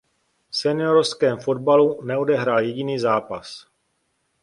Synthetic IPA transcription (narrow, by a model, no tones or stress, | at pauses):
fsɛnɪoɾoskɛːmfo̞d̚balunɛo̞dɛɦɾaːljɛɟiniːzaːpas